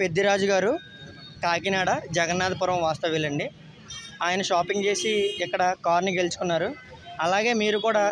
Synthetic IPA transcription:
pe̞d̪ːiɾaːd͡ʒuɡaːɾu | kaːk̬inaːɽɐd͡ʒɛɡɐnːaːd̪ɐpuɾɐmʋaːst̪ɐʋilːɐɳɖi | aːjɐnɐʃaːpiŋɡt͡ʃe̞ːsiɛkːɐɽɐkaːɾniɡe̞lut͡ʃu̥kunːaːɾu | ɐlaːɡe̞ːmiːɾukuːɽaː

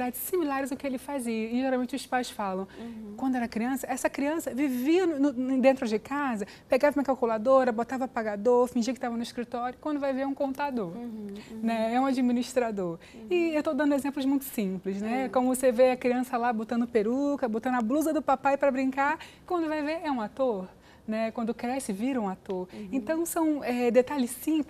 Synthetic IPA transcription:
d̪ad͡ʒɪsĩmilaɾɪzʊkɪelɪfaziɐɪʒeɾawmẽnt͡ʃɪʊspajsfalɐ̃w̃kwɐ̃d̪ʊɛɾɐkɾiɐ̃sɐɛsɐkɾiɐ̃sɐviviɐnʊẽd̪ẽnt̪ɾʊd͡ʒɪkazɐ | peɡavɐmĩɐkawkulad̪oɾɐbot̪avɐapaɡad̪oɾfĩd͡ʒiɐkɪt̪avɐnʊɪskɾit̪ɔɾjʊkwɐ̃nd̪ʊvajveɾũkõnt̪ad̪oɾnɛɛũad͡ʒiminiʃt̪ɾad̪oɾ | ɪewt̪owd̪ɐ̃nd̪ezẽmplʊzmũj̃t̪ʊ̥sĩplɪsnɛkõmʊvoseveɐkɾiɐ̃sɐlabot̪ɐ̃nd̪ʊpeɾukɐbot̪ɐ̃nd̪ʊabluzɐd̪ʊpapajpɾɐbɾĩŋkaɾkwɐ̃nd̪ʊvajveɾɛũat̪oɾ | nɛkwɐ̃nd̪ʊkɾɛsɪviɾɐũat̪oɾẽnt̪ɐ̃w̃sɐ̃w̃ɛd̪et̪aʎɪsĩpl

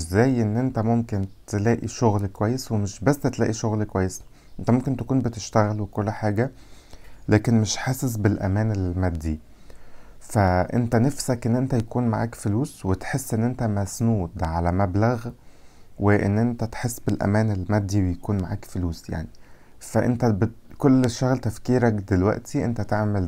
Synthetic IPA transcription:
zːæːjʔenːʔent̪æmomkent̪elæːʔiʃoɣlkowæjːeswemeʃbæsːt̪læ̰ːʔiʃoɣlkowæjːes | ʔʔent̪æmomkent̪æ̥kuːnbet̪eʃt̪æɣælwekolːħaːɡæ | læːkenmeʃħasesbelʔæ̰mæːnelmæd̪ːi | fæʔḛnt̪ænæfsækʔenːʔent̪æjækuːnmaʕa̰ːkfoluːswet̪ħesːʔenːʔent̪æmæsnuːd̪ʕalæmæblæɣ | weʔḛnːʔent̪æt̪ħesːbelʔæ̰mæːnelmæd̪ːiwejækuːnmaʕa̰ːkfoluːsja̰ʕni | fæʔḛnt̪æbekolːʃæɣlt̪æfkiːɾækd̪elwæ̰ʔt̪ʰiʔḛnt̪æt̪eʕmæl

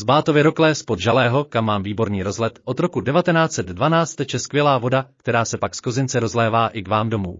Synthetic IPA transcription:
zbaːt̪o̞vɪɾoklɛːspod̪ʒalɛːɦo̞kamːaːmviːbo̞ɾniːɾo̞zɦlɛt̪ʔo̞t̪ɾo̞kudɛvat̪ɛnaːt͡sɛd̪dvanaːt͡st̪ɛt͡ʃɛskvjɛlaːvo̞dakt̪ɛɾaːsɛpaksko̞zɪnt͡sɛɾo̞zlɛːvaːʔɪkvaːmdo̞mṵː

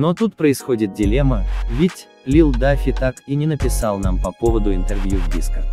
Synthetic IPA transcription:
not̪ut̪̚pɾəɪsxodʲɪt̪̚dʲɪlʲeməvʲɪtʲ | lʲilˠd̪afʲɪt̪akinʲɪnəpʲɪsalˠnampɐpovəd̪ʊɪnt̪ɛrvʲjuvdʲiskə

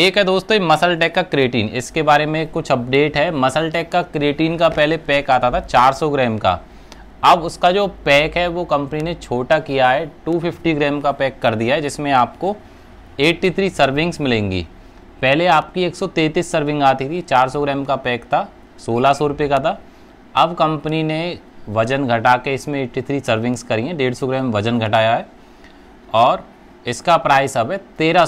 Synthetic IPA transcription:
eːkɦɛd̪oːst̪oimɐsəlʈɛːkːakɾeːʈiːnɪ̰skebaːɾemẽkʊt͡ʃʰɐp̚ɖeːʈɦɛmɐsəlʈɛːkːakɾeːʈiːnkapɛɦlepɛːkaːt̪at̪ʰat͡ʃaːɾsɔɡɾɛːmka̰ | ɐbʊskad͡ʒoːpɛːkɦɛʋokɐ̃mpninet͡ʃʰoːʈakijaɦɛʈuːpɪfʈiɡɾɛːmkapɛːkːɐɾd̪ijaɦɛd͡ʒɪsmẽaːp̚ko | eːʈːit̪ʰɾiːsəɾʋɪ̃ŋɡsmɪlẽːŋɡḭː | pɛɦleaːpkieːksɔt̪eːt̪iːsːɐɾʋɪ̃ŋɡaːt̪it̪ʰit͡ʃaːɾsɔɡɾɛ̃ːmkapɛːkt̪ʰa | soːlasɔɾʊpekat̪ʰa | ɐbkɐ̃mpənine | ʋɐd͡ʒənɡʱɐʈaːkeɪsmẽeːʈit̪ʰɾiːsəɾʋɪ̃ŋɡskɐɾiẽɖeːɽsɔɡɾɛ̃ːmʋɐd͡ʒənɡʱɐʈaːjaɦɛː | ɔːɾ | ɪskapɾaːɪsɐbɛt̪eːɾa

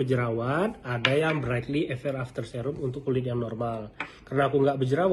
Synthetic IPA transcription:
əd͡ʒəɾawan̚adajaŋbɾajt̪liɛfɛraft̪ərsɛɾʊpunt̪ʊkulɪt̪̬̚jaŋnɔrmalkarənaːkuŋɡaʔbəd͡ʒəɾaw

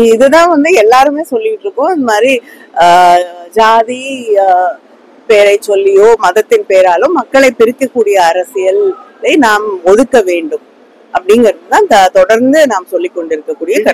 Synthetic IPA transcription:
ɪðɯt̪ãːʋɐnd̪ɯɛlːaːɾɯmeːsɔlːɪʋɪʈːɾɯkːõːɪnðdɐmaːd̪ɾi | d͡ʒaːði | peːɾɐɪt͡ʃːɔlːɪjoːmɐðɐt̪ːɪnpeːɾaːlɯ̃mːɐkːɐɭɐɪpːɪɾɪkːɐkːuːɽɪjɐːɾɐsɪjɐlːɐɪnaːmɔðɯkːɐʋeːɳɖɯm | ʔɐpːɐɽɪŋɡɪɾɐðɯt̪ãːɪnd̪ɐt̪ɔɽɐɾnd̪ɯnaːmsɔlːɪkːɔɳɖɪɾɯkːɐkːuːɽɪjɐkɐ

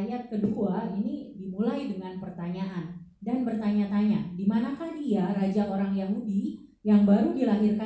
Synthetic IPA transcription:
jat̪̚kəduainidimulaidəŋanpərt̪aɲaʔan | danbərt̪aɲat̪aɲadimanakahdiarad͡ʒaoɾaŋjaɦudi | jaŋbaɾudilaɦirka

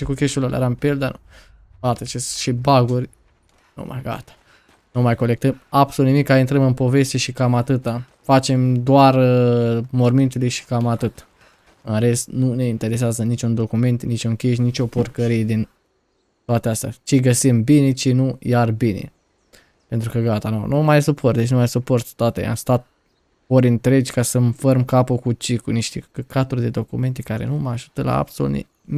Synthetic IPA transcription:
ʃikukʲeʃulalʔḛɾampild̪anṵ | ɡat̪ət͡ʃesʃibaɡurʲ | nṵma̰jɡa̰t̪ḁ | numajko̞lek̚t̪əmabsolut̪nimikːaint̪ɾəmɨnpo̞ve̞st̪e̞ʃikamat̪ɨt̪a | fat͡ʃe̞md̪oar | mo̞rmint̪ulujʃi̥kamat̪ɨt̪ | ɨnɾe̞st̪nune̞int̪e̞ɾe̞s̬eazənit͡ʃʲund̪o̞kume̞nt̪nit͡ʃʲunkʲeʃ̬nit͡ʃʲo̞purkəɾije̞d̪in | t̪oat̪east̪ʲa̰t͡ʃeɡəsimbine̞t͡ʃenujarbinḛ | pe̞nt̪ɾukəɡat̪ano̰nomajsupʰo̞rt̪d̪et͡ʃ̬numajsupo̞rt̪t̪oat̪ḛa̰mst̪at̪̚ | oɾʲɨnt̪ɾe̞d͡ʒʲkasəmfərmkapokut͡ʃikuniʃt̪ekat̪urʲd̪e̞d̪okume̞nt̪e̞kaɾe̞̰numaʒut̪əla̰a̰bsolṵnḛ

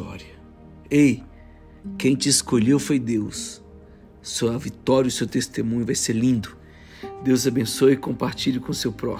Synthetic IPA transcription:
ɔ̰ɾiɐ | ej | kẽj̃t͡ʃɪːskoʎewfojd̪ewsː | oɐvit̪ɔɾjɐʊsewt̪est̪emũɲʊvajseɾlĩnd̪ʊ | d̪ewzabẽsoɐɪkõmpaɾt͡ʃiʎʊkõʊsewpɾɔ̰

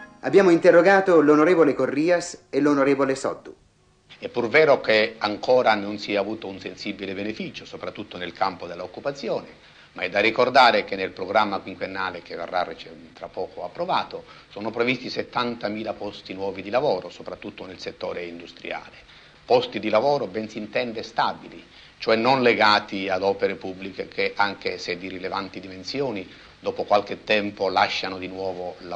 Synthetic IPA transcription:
abjaːmoint̪erːoɡaːt̪olonoɾeːvolekorːiːaselonoɾeːvolesɔ̰d̪ːu | ɛpːurvɛːɾokeaŋkɔːɾanonsiːaːvuːt̪ounsensibilebenefiːt͡ʃosopɾat̪ːut̪ʰːonelkampod̪elːaokːupat̪sːjɔːne | maɛd̪ːarːikord̪aːɾek̟enːelpɾoɡɾamːakwiŋkwenːaːlek̟evḛrːarːit͡ʃt̪ɾapːɔːkoapːɾovaːt̪osɔːnopɾevist̪iset̪ːant̪amiːlapɔst̪inwɔːvid̪ilavɔːɾosopɾat̪ːut̪ːonelset̪ːɔːɾeind̪ust̪ɾḭa̰ːle | pɔst̪id̪ilavɔːɾobɛnsint̪ɛnd̪est̪abili | t͡ʃoɛnːonleɡaːt̪iad̪ɔːpeɾepubːlikekʰeʔaŋkesed̪irilevant̪id̪imensjɔːni | d̪ɔːpokwalk̟et̪ːɛmpolaʃːanod̪inwɔːvola

